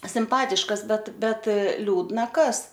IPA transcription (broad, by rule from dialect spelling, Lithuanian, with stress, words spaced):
sʲɪmˈpɑːtʲɪʃkɐs ˈbʲɛt ˈbʲɛt ˈlʲuːdnɐ ˈkɐs